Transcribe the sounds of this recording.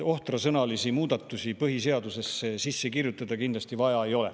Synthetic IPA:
o̞ht̪rɑsɤnɑlisimuːd̪̥ɑt̪ˑːusipɤɦise̞ɑd̪̥use̞sːesisːe̞kirjut̪ːˑɑd̪̥ɑkind̪lɑst̪ivɑjɑe̞jo̞lḛ

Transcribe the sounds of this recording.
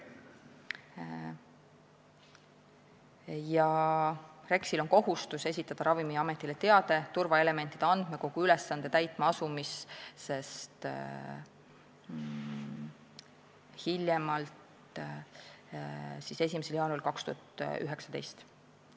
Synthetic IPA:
jɑ | re̞ksilo̞nko̞ɦust̪use̞sʲit̪ːˑɑd̪̥ɑɾɑvimiɑme̞t̪ːˑilet̪e̞ɑd̪e̞t̪urvɑe̞le̞me̞nt̪ˑid̪eɑnd̪̥meko̞ɡ̥uylesːɑnd̪̥e̞t̪æjt̪ˑmɑɑsumisse̞st̪ | hilʲjemɑlt̪ | sise̞s̬ʲimese̞ljɑːnulkɑkst̪ṵɑt̪yɦe̞ksɑ̥d̪e̞̰jst̪

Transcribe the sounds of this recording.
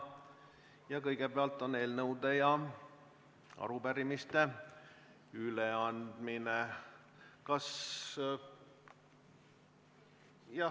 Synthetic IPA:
jɑkɤjɡ̥e̞peɑlt̪ːˑo̞neːlnɤwd̪e̞jɑ | ɑ̰ɾupæɾimist̪e̞ | yleɑnd̪̥mine | kɑs | jɑ

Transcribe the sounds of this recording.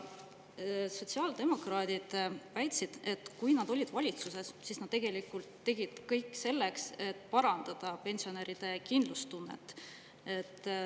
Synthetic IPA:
so̞t̪ʲsiɑːld̪e̞mo̞krɑːd̪̥id̪̥væjt̪sid̪̥e̞t̪ːkujnɑd̪̥o̞lʲid̪vɑlʲit̪suse̞ssiːsnɑd̪̥t̪ːeɡe̞likult̪ːe̞ɡ̥id̪̥kɤjkːˑse̞lːe̞kse̞t̪ːˑpɑɾɑnd̪̥ɑd̪̥ɑpe̞nʲsio̞neɾid̪̥e̞kind̪̥lust̪unːe̞̰t̪ːˑ | e̞t̪ː

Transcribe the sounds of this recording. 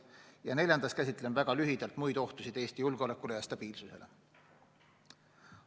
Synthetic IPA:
jɑne̞lʲjɑnd̪ɑskæsʲit̪ːˑlenvæɡ̥ɑlyɦid̪̥ɑlt̪mujd̪̥o̞ht̪usid̪e̞ːsʲt̪ijulɡ̥o̞le̞kːˑule̞jɑst̪ɑb̥iːlsuse̞lʔe̞̰

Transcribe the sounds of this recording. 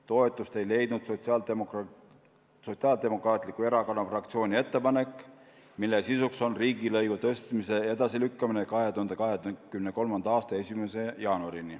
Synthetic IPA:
t̪o̞e̞t̪ːˑust̪e̞jle̞jd̪̥nud̪̥sosɑ | so̞t̪siɑld̪e̞mo̞krɑːt̪ˑlikːˑue̞ɾɑkɑnɑfrɑkt̪sio̞ːnʲie̞t̪ːe̞pɑne̞kːˑ | milːesisukso̞nriːɡilɤjɡ̥ut̪ɤst̪mise̞e̞d̪ɑsilykːɑminekɑɦe̞t̪uhɑnd̪̥ekɑɦekymne̞ko̞lmɑnd̪ɑɑːst̪ɑe̞sʲimese̞jɑːnuɑɾini

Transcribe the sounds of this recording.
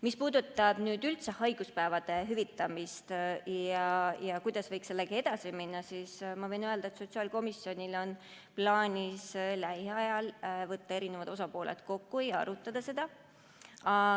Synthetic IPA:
mispuːd̪ut̪ːˑɑb̥nyːd̪ylt̪sehɑjɡ̥uspæevɑd̪̥e̞ɦyvit̪ːˑɑmist̪jɑjɑkujd̪̥ɑsvɤ̞jkselːeɡ̥ɑe̞d̪̥ɑsiminːɑsismɑvɤ̞jnøe̞ld̪ɑet̪so̞t̪siɑːlko̞misjo̞nʲilo̞n | plɑːnʲislæjheɑjɑlvɤt̪ːɑe̞ɾine̞vɑd̪̥o̞sɑpo̞ːlʔḛt̪ko̞kːuejɑ̰ɾut̪ːˑɑd̪̥ɑse̞d̪̥ɑ | ɑ

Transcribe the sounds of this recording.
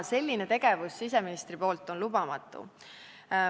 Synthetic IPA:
se̞lʲːinet̪e̞ɡ̥e̞vusːise̞minist̪ripo̞ːlt̪ːˑo̞nlubɑmɑt̪ˑːṵ

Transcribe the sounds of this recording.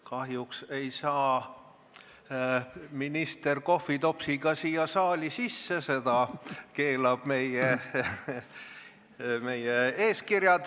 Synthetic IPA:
kɑɦjukse̞jsɑː | minist̪e̞rko̞fːit̪o̞psiɡ̥ɑsiːjɑsɑːlʲisisːese̞d̪̥ɑke̞ːlɑb̥me̞je | me̞jeeːskirjɑd̪

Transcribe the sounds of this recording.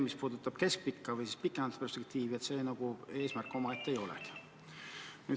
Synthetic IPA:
mispuːd̪ut̪ːˑɑb̥ke̞sk̚pikːɑvɯjsi̥spikːˑemɑd̪t̪̚pe̞rspek̚t̪iːviet̪se̞ːnɑɡ̥ue̞ːsmærkːˑo̞mɑet̪ːˑejo̞lɛ̰ki̥ | nyː

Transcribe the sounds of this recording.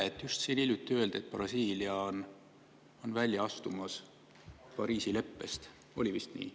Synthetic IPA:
et̪ːˑjust̪siːnilʲjut̪ːˑiøe̞ld̪̥et̪̚ːˑb̥rɑsiːliɑon | o̞nvælʲjɑɑst̪umɑs | pɑɾiːsile̞pːe̞st̪ | o̞̰lʲivist̪nḭː

